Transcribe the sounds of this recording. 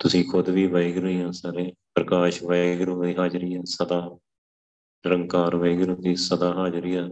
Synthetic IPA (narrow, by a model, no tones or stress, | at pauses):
t̪ʊsĩːkʰʊd̪ʋiːʋəɪɡɾəiːãːsaɾeːpɾəkaːʃʋəɪɡɾːiːɦaːd͡ʒɾɪjaːsəd̪aː | ɾəŋɡkaːɾʋəɪɡɾoːd̪iːsəd̪aːɦaːd͡ʒɾɪjaː